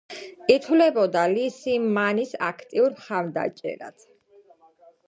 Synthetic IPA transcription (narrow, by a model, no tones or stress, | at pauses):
kʼit̪ʰwlɛbɔd̪alisimːanisa̰kʰt̪ʼiuɾmχaɾd̪a̰t͡ʃʼɛ̰ɾa̰t̪ʰ